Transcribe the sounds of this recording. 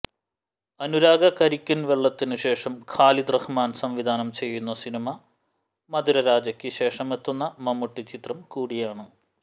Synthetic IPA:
ɐnuɾaːɡɐkɐɾikʲːunʋeɭːɐt̪ːinɨɕe̞ːʂɐmkʰaːlid̪rɐhmaːnsɐmʋid̪ʱaːnɐmt͡ɕe̞jːun̪ːɐsinimɐ | mɐd̪uɾɐɾaːd͡ʑɐkʲːɨɕe̞ːʂɐme̞t̪ːunːɐmɐmːuʈːit͡ɕit̪rɐmkuːɽijaːɳɨ

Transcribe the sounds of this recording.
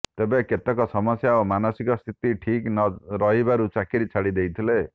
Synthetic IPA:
t̪ebeket̪ɔkɔsɔmɔsjaomanɔsikɔst̪ʰit̪iʈʰiknɔɾɔɦibaɾut͡ʃakiɾit͡ʃʰaɽid̪ejt̪ʰile

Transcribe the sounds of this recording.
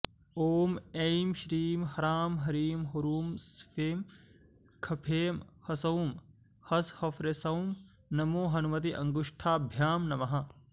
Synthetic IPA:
oːmejmʃɾiːmhɐɾaːmɦɐɾiːmɦoɾuːmspʰeːm | kʰɐpʰeːmhɐsɐwm | hɐshɐfɾesɐwm | nɐmoːɦɐnumɐt̪̬iʔɐŋɡuʂʈʰaːbʱjaːmnɐmɐɦɐ

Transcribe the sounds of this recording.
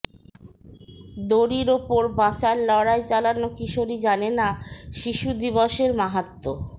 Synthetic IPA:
d̪oɾiɾopoɾbat͡ɕaɾlɔɽaet͡ɕalanokiʃoɾid͡ʑanenaʃiʃud̪iboʃeɾmaɦat̪ːo

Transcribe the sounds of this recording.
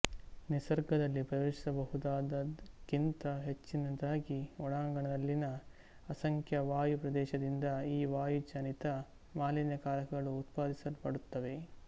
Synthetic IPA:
nisɐɾɡɐd̪ɐlːipɾɐjoːʃi̥sɐbɐhud̪aːd̪ɐkint̪ɐɦet͡ʃːinɐd̪aːɡiɔɽaːŋɡɐɳɐd̪ɐlːinɐ | ɐsɐŋkʰjɐʋaːjupɾɐd̪ɛːʃɐd̪ind̪ɐiːʋaːjud͡ʒɐnit̪ɐ | maːlinjɐkaːɾɐkɐɡɐɭuːt̪paːd̪isɐlpɐɽut̪ːɐʋe̞

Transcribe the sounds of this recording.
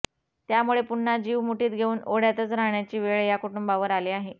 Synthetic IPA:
t̪jamuɭepuɳːad͡ʑiːʋmuʈiːt̪̚ɡʱeuːnoɽ̤jat̪ət͡sɾaɦɳjat͡ɕiːʋeɭjakuʈumbaʋəɾaliːaɦe

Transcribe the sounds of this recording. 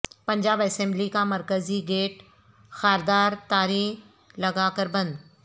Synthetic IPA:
pɐ̃ɲd͡ʑaːbɐsɛ̃ːmblikamɐɾkəziɡeːʈ | xaːɾd̪aːɾt̪aːɾiː | lɐɡakəɾbɐ̃nd̪

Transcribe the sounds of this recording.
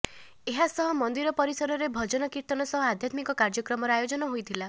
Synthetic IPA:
eɦasɔɦɔmɔnd̪iɾɔpɔɾisɔɾɔɾebʱɔd͡ʒɔnɔkiɾt̪ɔnɔsɔɦɔad̪ʱjat̪mikɔkaɾd͡ʒɔkɾɔmɔɾɔajod͡ʒɔnɔɦojt̪ʰila

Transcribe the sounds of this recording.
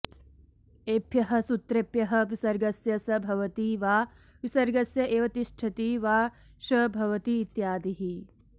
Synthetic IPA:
eːpjɐɦɐ̆sut̪ɾepjɐɦɐ̆ʋisɐɾɡɐsjɐsɐbʱɐʋɐt̪iʋaː | ʋisɐɾɡɐsjɐʔeːʋɐt̪iʃʈʰɐt̪iʋaː | ʃɐbʱɐʋɐt̪iːt̪jaːd̪iɦi

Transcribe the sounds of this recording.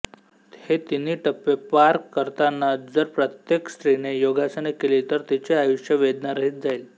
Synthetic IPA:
het̪iniːʈəpːepaɾkːəɾt̪anːad͡zəɾpɾət̪jekst̪ɾinejoɡasəñekelit̪əɾt̪it͡ɕeajuʂjəʋed̪naɾəɦit̪̚d͡zail

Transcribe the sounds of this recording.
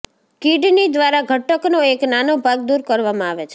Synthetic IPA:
kiɖnid̪ʋaɾaɡʱəʈːəknoeknanobʱaɡ̚d̪uɾkəɾʋamãaʋet͡ʃʰe

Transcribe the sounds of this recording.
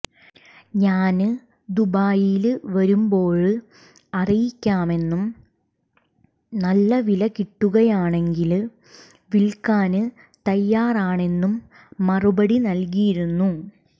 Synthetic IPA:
ɲaːnɨ | d̪ubaːjilʋɐɾumbo̞ːɻɨ | ɐrijikʲːaːme̞nːum | nɐlːɐʋilɐkiʈːuɣɐjaːɳe̞ŋɡil | ʋilkaːnɨ | t̪ɐjːaːraːɳe̞nːumː | ɐrubɐɽinɐlkijiɾunːu

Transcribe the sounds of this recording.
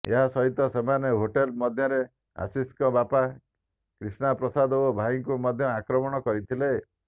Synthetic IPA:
ḛɦasɔɦit̪ɔsemaneɦoʈelmɔd̪ʱjɔɾe | a̰siskɔbapa | kɾisnapɾɔsad̪ɔobʱaiŋkumɔd̪ʱjɔakɾɔmɔɽ̃ɔkɔɾit̪ʰile

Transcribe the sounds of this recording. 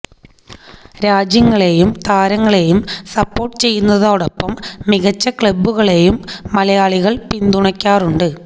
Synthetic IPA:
ɾaːd͡ʑjɐŋːɐɭejumt̪ʰaːɾɐŋːɐɭe̞jumsɐpːo̞ːrʈːɨt͡ɕe̞jːunːɐðoːɽɐpːɐmːiɣɐt͡ɕːɐkɭɐbːuɣɐɭe̞jumːɐlɐjaːɭiɣɐɭpind̪uɳɐkʲːaːruɳɖɨ

